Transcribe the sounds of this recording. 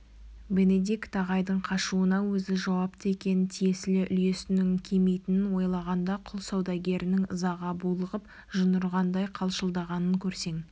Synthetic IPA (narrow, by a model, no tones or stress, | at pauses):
be̞ne̞d̪ikt̪ʰɑʁɑjd̪əɴqʰɑʃuənɑwɵzɪʒɑwɑp̚t̪əe̞kʲe̞nɪt̪ʰije̞sɪlɪʔʏ̰lje̞sɪnɪŋkʲʰeme̞jt̪ɪnɪnwo̞jlˠɑʁɑnd̪ɑqʰʊlˠsɑwd̪ɑɡʲe̞ɾɪnɪŋəzɑʁɑbulˠəʁəp | ʒənəɾʁɑnd̪ɑjqʰɑlˠʃəlˠd̪ɑʁɑnəŋkʲʰɵɾse̞ŋ